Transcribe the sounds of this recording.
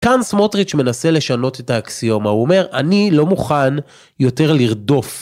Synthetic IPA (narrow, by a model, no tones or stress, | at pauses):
kansmo̞tʁit͡ʃme̞nase̞le̞ʃano̞tetaːksijo̞mauome̞ʁanilo̞muχan | jo̞te̞ʁliʁdo̞f